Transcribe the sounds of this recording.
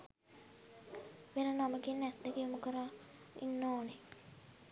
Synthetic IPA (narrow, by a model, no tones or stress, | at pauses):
ʋenənaməɡenːɛsd̪ekejumukəɾa | ḭnːoːne